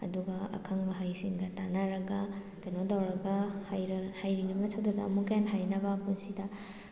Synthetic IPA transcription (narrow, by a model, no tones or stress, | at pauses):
ɐ̰duɡɐɐ̰kʰɐŋbɐɦajsiŋɡɐtanaɾɐɡɐ | kɐjnodawɾɐɡɐhajɾhajɾilimɐtʰawdadɐːmukɐjanɦajnɐbapunsidɐ